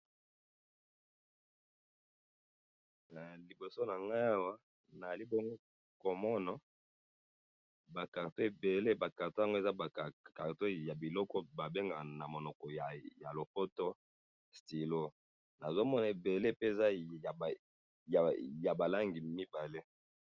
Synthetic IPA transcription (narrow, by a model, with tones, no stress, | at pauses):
na˨li˨bo˨so˦na˨ŋɡa˦a˦wa˦ | na˨za˨li˦bo˦ŋɡo˦ | ko˨mɔ˦na˨ | ba˨ka˨ʁto˦e˨be˨le˦ba˨ka˨to˦a˨ŋɡo˦e˨za˦ba˨a˨ka˨ʁto˦ja˨bi˨lɔ˦kɔ˦ba˨be˦ŋɡa˨na˨mo˨nɔ˨kɔ˨ja˨ja˨lo˨po˦to˦ | sti˨lo˦ | na˨zo˦mɔ˦na˨e˨be˨le˦pe˦e˨za˦˨ | ja˨ja˨ba˨la˦ŋɡi˨mi˦ba˨le˦